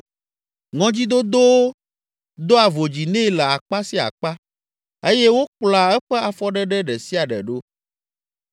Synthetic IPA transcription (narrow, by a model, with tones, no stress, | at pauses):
ŋɔ̃˨d͡ʑi˦d̪o˦d̪o˦wo˦ | d̪o˦a˨vo˨d͡ʑi˨nẽ˦˨lɛ˨a˨k͡pa˦si˦a̰˨k͡pa˦ | e˦je˦wo˦k͡pla˨ɛ˦ɸɛ˦a˨fɔ˦ɖɛ˦ɖɛ˦ɖɛ˨si˦a˨ɖɛ̰˨ɖo˦